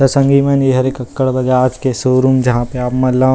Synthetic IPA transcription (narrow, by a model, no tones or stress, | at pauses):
tɐsɐ̃ŋɡimɐnjeɦɐɾeːkɐkːəɽbɐd͡ʒaːd͡ʒkesoːɾumd͡ʒɐɦãpeaːpmɐlaː